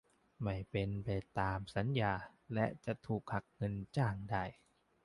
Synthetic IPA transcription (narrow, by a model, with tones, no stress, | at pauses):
ma˥˩jpe˧npa˨˧jt̪aː˧msa˩˦njaː˧lɛ˦˥ʔt͡ɕa˨˩ʔt̪ʰuː˨˩k̚ha˨˩k̚ŋɤ˧nt͡ɕaː˥˩ŋda˥˩j